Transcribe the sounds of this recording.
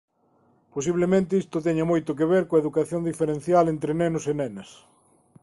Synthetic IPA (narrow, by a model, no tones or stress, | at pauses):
posiβlemẽnt̪eist̪ot̪̬ɛɲamojt̪ʊk̬eβeɾkoɐeðukaθjond̪ifeɾen̟θjalent̪ɾenenosenenɐs